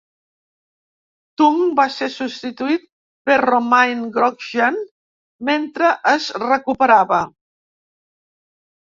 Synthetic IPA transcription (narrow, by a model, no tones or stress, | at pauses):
t̪umbasesust̪it̪uit̪̚ | pəromajnɡɾɔkʒən | ment̪ɾəʔəzrəkupəɾaβə